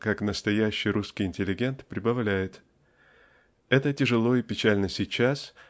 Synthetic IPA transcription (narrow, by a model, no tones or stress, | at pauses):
kaknəst̪ɐjæɕːɪjɾuskʲɪjɪnʲtʲɪlʲɪɡʲe̞nt̪pɾʲɪbɐvlʲæjɪt̪ | ɛt̪ətʲɪʐɨlˠo̞ipʲɪt͡ɕælʲnəsʲɪt͡ɕas